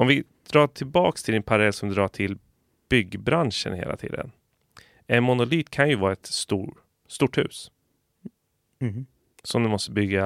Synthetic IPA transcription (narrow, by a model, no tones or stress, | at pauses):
ɔmvɪd̪̥ɾɑːʈʰɪlbɑːkst̪ʰɪlɪnpʰaɾlɛlsɔmd̪ɾɑːʈʰɪl | b̥ʏɡːbɾanʂə̰nɦḛːla̰t̪ʰḭːd̪ə̰n | ɛnmʊnʊlyːt̪kʰanjɵvɑːɾaɛt̪st̪uː | st̪uːʈhʉ̟̰ːs | sɔmd̪ɛmɔst̪əbʏɡːa